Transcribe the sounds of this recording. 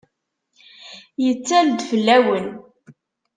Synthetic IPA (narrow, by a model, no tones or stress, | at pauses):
jət͡sːæld̪fəlːæwən